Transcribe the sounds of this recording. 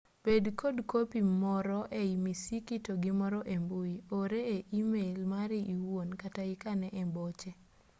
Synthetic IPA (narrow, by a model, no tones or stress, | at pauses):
b̥edkodkopimɔɾɔʔeimisikitoɡimɔɾɔʔembuioɾeeʔimelmaɾiʔiwonkataɪkanɛʔɛmbɔt͡ʃɛ